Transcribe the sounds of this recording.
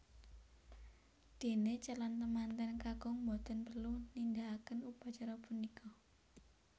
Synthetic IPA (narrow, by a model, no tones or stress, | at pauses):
d̪̥e̤net͡ʃəlant̪əmant̪ɛnkaɡ̥ɔŋmɔd̪ɔnpərlunind̪aakənupat͡ʃaɾɔpunikʰɔ